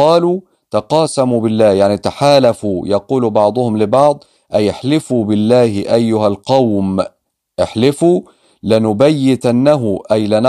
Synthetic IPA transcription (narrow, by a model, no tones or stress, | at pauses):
ɑːluː | t̪ɑqɑːsamubɪlːæːjaʕnit̪aħaːlafuːjɑquːlbɑʕd̪ˤʊhʊmlɪbɑʕd̪ˤ | ʔajɪħlɪfuːbɪlːaːhɪʔajːʊɦalqɑwm | ʔɪħlɪfuː | lɪnʊbajːɪd̪ʔanːaɦʊʔajlɪn